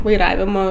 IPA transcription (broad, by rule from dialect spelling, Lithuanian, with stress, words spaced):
ʋɐɪˈrɑːʋʲɪmoː